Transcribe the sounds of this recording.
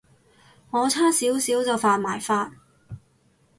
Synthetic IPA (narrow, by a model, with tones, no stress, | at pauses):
ŋɔː˨˧t͡sʰaː˥siː˨˥wsiː˨˥wt͡sɐ˧wfaː˧t̚maː˨˩jfaː˧t̚